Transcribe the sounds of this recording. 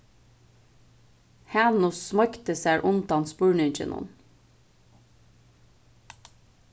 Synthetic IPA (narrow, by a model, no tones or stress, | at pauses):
hæːnʊsmɑkt̪əsæːɹʔʊnt̪ɑnspuːɹɳʏnt͡ʃə̰nʔʊ̰n